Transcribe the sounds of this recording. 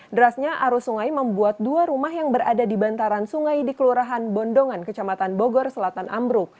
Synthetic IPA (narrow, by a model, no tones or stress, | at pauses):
dəɾasɲaʔaɾusuŋajməmbuat̪̚duaɾumaɦjaŋbəɾadadibant̪aɾansuŋajdikəluɾaɦanbɔndɔŋankət͡ʃamat̪anbɔɡɔrsəlat̪anʔa̰mbɾʊk̚